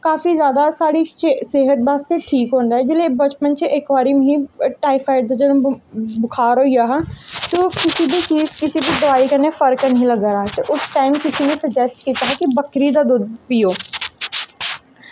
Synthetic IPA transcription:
kaːfizjaːd̪asaːɾit͡ʃeseːɦət̪̚baːst̪eʈʰiːkɦõːnd̪aɦɛd͡ʒɪlebɐt͡ʃpənt͡ʃeʔekʋaːɾimɦĩʈaːɪfʰaːɪɖ̚d̪ad͡ʒɐd̪̃bʊkʰaːɾojaɦat̪okɪsibʱit͡ʃiːzkɪsibʱid̪oaːikɐnefɐɾknɐɦĩlɐɡaɾaːɦɛt̪oʔʊsʈaːɪmkɪsinẽsɐd͡ʒɛsʈ̚kiːt̪aɦɛkibɐkɾid̪ad̪ʊd̪pijoː

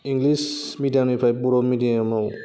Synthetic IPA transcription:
iŋɡlis | midianipʰajpuɾɔmidiamaw

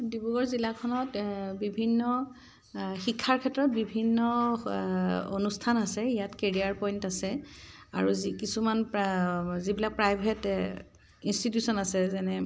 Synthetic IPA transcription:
dibuɡɔɹzilakʰɔnɔtbibʱinːɔ | xikʰːaɹkʰɛtɹɔt̚bibʱinːɔ | o̰nustʰanasɛijatkeɹiaɹpɔjntasɛa̰ɹuzikisumanpzibilak̚pɹajbʱɛt | institjusɔnasɛzɛnɛ

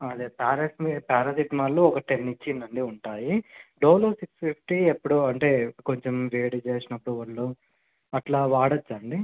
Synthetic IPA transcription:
ɐd̪epaːɾɐsmipaːɾɐd̪iʈmaːluɔkɐʈenːit͡ʃːinːɐɳɖiuɳʈaːjiɖoːluːsikspipʰʈiepːuɽuɐɳʈe̞ːko̞ɲt͡ʃemɾeːɽt͡ʃeːsinɐpːuɽuʋɐɭːu | ɐʈlaːʋaːɽɐt͡ʃːɐɳɖi

